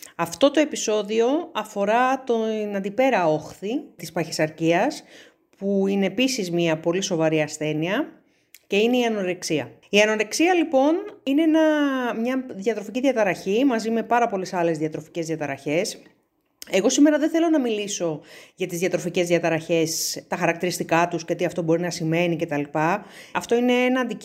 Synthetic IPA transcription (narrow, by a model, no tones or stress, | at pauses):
ɐft̪o̞t̪oe̞piso̞ðio̞ɐfo̞ɾɐt̪onɐnd̪ipe̞ɾɐo̞xθit̪ispɐçisɐɾciɐs | puine̞ːpisizmiɐpo̞liso̞vɐɾiɐsθe̞niɐ | ce̞ine̞iɐno̞ɾeksiɐ̰iɐnoɾeksiɐlipo̞nineenɐmɲɐðʝɐt̪ɾo̞ficiðʝɐt̪ɐɾɐçimɐzime̞pɐɾɐpo̞lesɐle̞zðiɐt̪ɾo̞fi̥ce̞zðjɐt̪ɐɾɐçe̞s | e̞ɣo̞sime̞ɾɐðeθe̞lo̞nɐmiliso̞ʝɐt̪izðjɐt̪ɾo̞fice̞zðjɐt̪ɐɾɐçe̞st̪ɐxɐɾɐk̚t̪iɾist̪ikɐt̪usceot̪iɐft̪o̞bo̞ɾinɐsime̞nice̞t̪ɐlipɐɐft̪o̞ine̞enɐːnd̪i